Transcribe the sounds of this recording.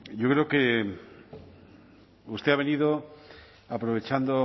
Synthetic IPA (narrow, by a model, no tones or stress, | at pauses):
ʝokɾeoke | ust̪eaβ̞eniðo | apɾoβ̞et͡ʃand̪o